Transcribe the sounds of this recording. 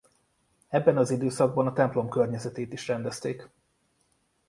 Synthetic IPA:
ɛbːɛnɒzid̪øːsɒɡ̚bɒnɒt̪ɛmplo̞mkørɲɛzɛt̪eːt̪iʃrɛnd̪ɛst̪eːk

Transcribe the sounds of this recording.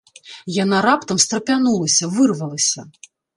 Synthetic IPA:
jan̪aɾapt̪ɐmst̪ɾɐpʲanulˠɐsʲɐvɨrvɐlˠɐsʲɐ

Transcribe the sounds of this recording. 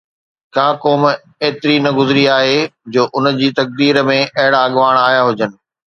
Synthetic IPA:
kaːkoːm | eːt̪ɪɾinɐɡʊzɪɾiaːɦed͡ʑoːʔʊnə̆d͡ʑiːt̪ɐk̚d̪iːɾmẽʔɐɦɪɽaɐɠʋaːɽ̃aːɦjaɦʊd͡ʑənɪ̆

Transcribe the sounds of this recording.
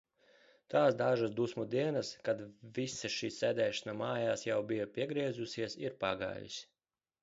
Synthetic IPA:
t̪aːsd̪aʒasd̪usmud̪iɛnaskad̪visaʃiːsɛːd̪ɛːʃanamaːjaːsjawbijapʲiɛɡɾiɛzusʲiɛsiɾpaɡa̰ːjḭsʲ

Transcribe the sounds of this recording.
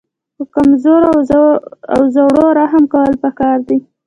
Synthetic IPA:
pəkamzoɾa | a̰wzawɽoɾaɦamkawəlpakɑɾd̪i

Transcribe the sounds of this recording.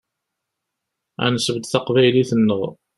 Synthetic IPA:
æ̰nəsəvd̪θɑqvæjliθənːəðˤ

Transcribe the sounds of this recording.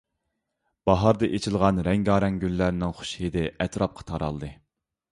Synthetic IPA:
b̥ɑɦɑɾd̪ɨʔet͡ʃʰɪlˠʁɑnɾɛŋɡɑːɾɛŋɡʲylːæɾnɪŋχʊ̥ʃhed̪ɪʔɛt̪ɾɑp̚qʰɑ̥t̪ʰɑɾɑ̰lˠd̪ɨ

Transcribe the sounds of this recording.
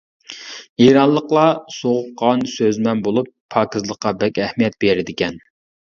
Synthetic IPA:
eɾɑnlˠəqlˠɑsoʁʊp̚qɑnsøzmɛnbolˠupʰːɑːkʲizlˠəqːɑbɛkʲɛhmijɛt̪̚beɾɪd̪ɪkʲɛn

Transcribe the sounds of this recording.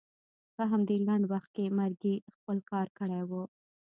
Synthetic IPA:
pəɦamd̪elaɳɖwaxt̪̚kemaɾɡixpəlkɑɾkəɽajwu

